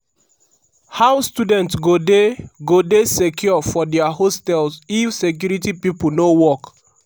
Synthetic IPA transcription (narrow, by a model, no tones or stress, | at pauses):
hawstudɛ̃ntsɡodeɡodesekʰjɔfɔdɛahostɛlzifsek̬juɹitipipunowɔk